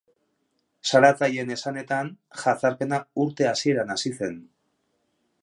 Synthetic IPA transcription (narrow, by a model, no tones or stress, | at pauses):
saɾat͡saje̞ne̞sane̞t̪an | xat͡saɾpe̞nauɾt̪e̞asie̞ɾanasise̞n